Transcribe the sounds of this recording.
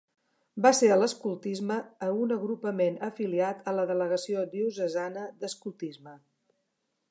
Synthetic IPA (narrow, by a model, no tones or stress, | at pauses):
baseɾələskulˠt̪izməːunəɣɾupəmenəfiliat̪ələðələɣəsiod̪iusəzanəd̪əskulˠt̪izmə